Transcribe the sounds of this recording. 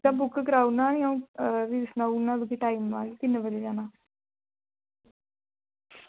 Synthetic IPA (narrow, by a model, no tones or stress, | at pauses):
ãːbʊkːkəɾaːunãːjaũːʋisnãːunãːd̪ukʰiːʈaːimʋaːlːt̪ɪnbəd͡ʒeːd͡ʒaːnaː